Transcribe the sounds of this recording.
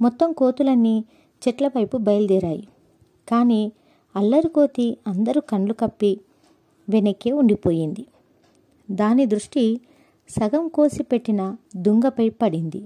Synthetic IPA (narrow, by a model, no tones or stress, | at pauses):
mɔt̪ːɐmkoːt̪ulɐnːi | t͡ʃɛʈlɐʋɐjpubɐjlud̪iːɾaːjḭ | kaːniː | ɐlːɐɾiko̞ːt̪iɐnd̪ɐɾukɐɳlukɐpːi | ʋenɐkːeːuɳɖipo̞ːjind̪i | d̪aːnid̪ɾuʂʈi | sɐɡɐmko̞ːsipe̞ʈːinɐd̪uŋɡɐpɐjpɐɽind̪i